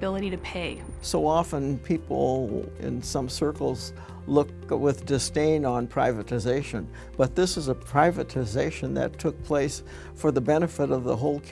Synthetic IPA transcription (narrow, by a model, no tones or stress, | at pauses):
ɪlˠəɾiɾɨpʰeɪ | soʊɑfə̃npʰipl̩ˠɪ̰̃nsʌ̃msɜ˞kl̩ˠz̥ | lʊk̚ | wɪðdɨstẽɪ̃nə̃npʰɹ̥aɪvɨɾɨzeɪʃɨ̃n | b̥ʌt̪̚ðɪsɨzəpʰɹ̥aɪvɨɾɨzeɪʃɨ̃nðɨ̰tʰʊk̚pʰl̥eɪs | fə˞ðəbɛnɨfɨɾʌvðə̰ɦoʊlˠkʰ